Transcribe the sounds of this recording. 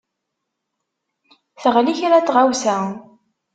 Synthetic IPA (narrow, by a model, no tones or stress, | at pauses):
θəʁliçaɾat͡sːʁawsæ